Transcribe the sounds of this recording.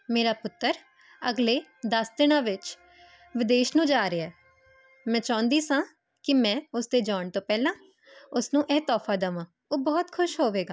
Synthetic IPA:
meːɾaːpʊt̪ːəɾ | əɡleːd̪əsd̪ɪnãːʋɪt͡ʃ | ʋɪd̪eːʃnũːd͡ʒaːɾɪɛː | mɛ̃ːt͡ʃãːnd̪iːsãː | kɪmɛ̃ːʊsd̪eːd͡ʒaːɳt̪õːpɛːlãː | ʊsnũːʔɛːt̪ɔːfʰaːd̪əʋãː | oːbɔːt̪kʰʊʃɦoːʋeːɡaː

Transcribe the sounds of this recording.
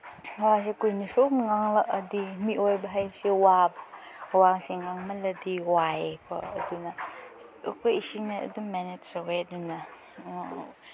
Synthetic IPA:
was̬ekujnisomŋaŋlɐkɐdimiʔojbɐɦajbsewabwasiŋaŋmɐlɐdiwajekʰɔ̰ɐ̰dunɐ | kʰojisiŋnɐɐ̰duŋmɛnetsɐweɐdunɐ

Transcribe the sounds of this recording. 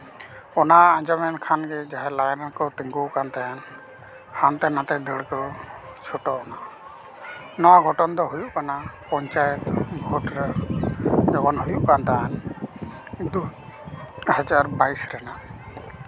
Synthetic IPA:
ɔnaãd͡ʒamɛnkʰanɡɛd͡ʒaɦɛlajɾankɔt̪iŋɡuwkant̪ajan | hant̪ɛnãt̪ɛd̪əɽkɔt͡ʃʰuʈɔʔɔna | nɔwaɡʱɔʈɔnd̪ɔɦujuʔkanapɔɲt͡ʃajɛt̪bʱɔʈɾɛ | d͡ʒɔkɔnɦujuʔkant̪aan | d̪u | had͡ʒaɾbajsɾɛna

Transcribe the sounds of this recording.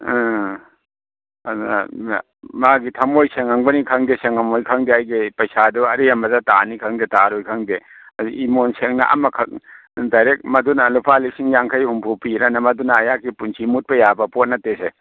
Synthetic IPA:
maɡitʰɐmojseŋaŋbɐnikʰɐŋdeseŋamojkʰɐŋdeajɡipɐjsaduɐɾijamɐzata̰nikʰɐŋdetaɾojkʰɐŋde | imonseŋnɐ̰ʔɐ̰mɐkʰɐk̚ | dajɾek̚mɐdunalupʰalisiŋjaŋkʰajhumpʰupiɾɐnɐmɐdunaːjakipunsʰimut̚pɐjabɐpot̚nɐtːese

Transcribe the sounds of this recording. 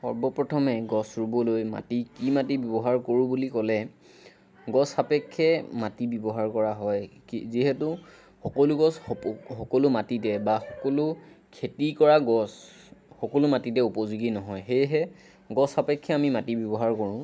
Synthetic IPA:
ɔɹbɔpɹɔtʰɔmɛɡɔsɹubɔlojma̰tikimatibjɔbɔɦaɹkoɹũbulikɔlɛ | ɡɔsapɛkʰːɛmatibɔbɔɦaɹkɔɹaɦɔjkiziɦɛtʊ | xɔkɔlʊɡɔsɔxɔkɔlʊmatitɛbaxɔkɔlʊkʰetikɔɹaɡɔs | xɔkɔlʊmatitɛupɔzuɡinɔɦɔjxejɦɛ | ɡɔsapɛkʰːɛamimatibjɔbɔɦaɹkoɹʊ̃

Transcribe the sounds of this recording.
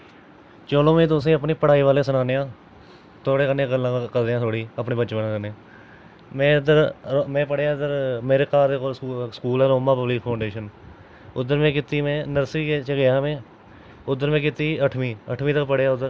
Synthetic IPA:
t͡ʃoːlõːmĩːt̪ʊs̬ĩːəp̬niːpəɽaːiːʋaːleːsənaːneːãː | t̪ʰoːɽeːkənːeɡəlːãːkəɾd̪eãːt̪ʰoːɽiːəpɳeːbəːt͡ʃʋənãːkəne | mɛ̃ːd̪əɾmɛ̃ːpəɽeːaːd̪əɾmeːɾeːkaːd̪eːkoːlːsə̥kuːlɛːɾoːmaːpəblɪk̚pʰaːɳɖeːʃən | ʊd̪əɾmẽːkɪt̪iːmɛ̃ːnəɾsiːt͡ʃɡejaːmẽː | ʊd̪əɾmɛ̃ːkɪt̪iːəʈʰmĩːə̰ʈʰmĩːt̪əkpəɽeːaːʊd̪əɾ

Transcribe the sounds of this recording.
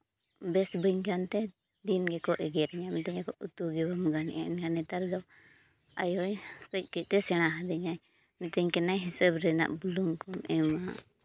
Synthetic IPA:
bɛsbəɲkant̪ɛ | d̪inɡɛkɔʔɛɡɛɾɛɲamɛt̪ɛɲakɔʔut̪uɡɛbamɡanɛ̰ʔaʔinɡanɛt̪aɾd̪ɔ | a̰jɔjkəc̚ˀkɛt̪ɛsɛɽ̃aɦad̪ɛɲaj | mɛt̪ɛɲkɛnajɦisəbɾɛna̰ʔbuluŋkɔmʔɛmaʔ

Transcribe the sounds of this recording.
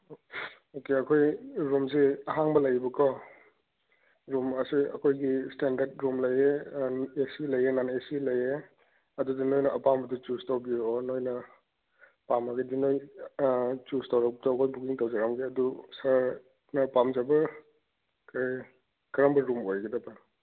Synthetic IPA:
okeɐkʰojɾumzeɐɦaŋbɐlɐjbɐkʰɔ | ɾumɐseɐ̰kʰojɡistendɐɾt̚ɾumlɐjeesilɐjenanɐesilɐje | ɐdudinojnɐʔɐpambɐdut͡ʃustawbiɔnojnɐ | pamɐɡɐdinoj | t͡ʃustawɾak̚daɐkʰojbukiŋtawzaɾamɡiɐdusaɾ | nɐpamzabɐ | kaj | kɐɾambɐɾumojɡidɐbɐ

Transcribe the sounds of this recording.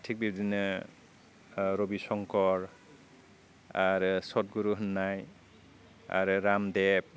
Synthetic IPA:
tʰik̚bibdinɯ | ɾobisɔŋkɔɾ | aɾɯsɔt̚ɡuɾuɦɯnːaj | a̰ɾɯɾamdɛp̚

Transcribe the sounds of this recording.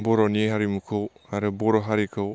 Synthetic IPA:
bɔɾɔnieɦaɾimukʰɯwhaɾɯbɔɾɔɦaɾikʰɯw

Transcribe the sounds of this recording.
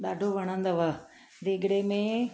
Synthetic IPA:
ɗ̪aːɖʱoʋɐɽ̃ə̃nd̪ɐʋɐ | d̪eɡɽemẽ

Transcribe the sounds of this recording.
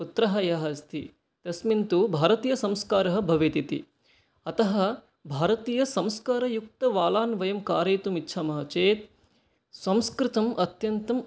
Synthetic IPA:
ut̪ɾɐɦɐjɐɦɐst̪ʰḭ | t̪ɐsmint̪ubʱaːɾɐt̪iːjɐsɐmskaːɾɐɦɐ̆bʱɐʋeːt̪it̪ḭ | ɐt̪ɐɦɐ̆ | bʱaːɾɐt̪iːjɐsɐ̃mskaːɾɐjuk̚t̪ɐʋaːlaːnʋɐjɐmkaːɾeːt̪umitːʃʰaːmɐɦɐt͡ʃeːt̪̚ | sɐ̃mskɾɪt̪ɐmʔɐt̪jɐnt̪ɐm

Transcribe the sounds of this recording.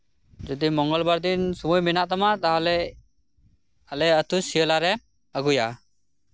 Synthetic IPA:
zɔdimɔŋɡɔlbaɹd̪insɔmujminatamat̪aɦɔlɛ | alɛətusijɔlaɾɛ | əɡuja

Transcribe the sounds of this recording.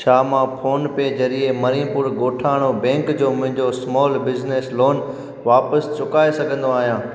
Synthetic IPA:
ʃaːmãpʰoːnpeːd͡ʑɐɾiemɐɾĩpʊɾɡoːʈʰaːɪɽ̃obɛ̃ːŋkd͡ʑoːmʊ̃ɦɪ̃ɲd͡ʑosmɔːlbɪzneːsloːn | ʋaːpəst͡ɕʊkaːesɐɡʱə̃nd̪oaːɦijãː

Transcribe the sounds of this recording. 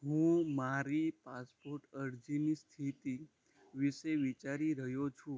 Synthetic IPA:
ɦũmaɾipaspoɾʈəɾd͡ʒinist̪ʰit̪i | ʋiʃeʋit͡ʃaɾiɾəɦjot͡ʃʰũ

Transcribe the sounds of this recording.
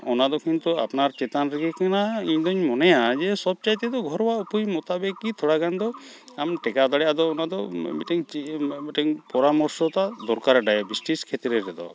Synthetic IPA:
ɔnad̪ɔkʰint̪ua̰pnaɾt͡ʃet̪anɾikikʰanaiɲd̪ɔɲmɔnɛjad͡ʒesɔb̚t͡ʃajt̪ɛd̪ɔɡʱɔɾɔwaupujmɔt̪abekːit̪ʰɔɽaɡand̪ɔ | amʈɛkad̪aɽɛjad̪ɔːnad̪ɔbeʈɛŋt͡ʃieʈɛŋpɔɾamɔɾsɔt̪ad̪ɔɾkaɾɖajabisʈiskʰet̪ɾɛɾɛd̪ɔ̰

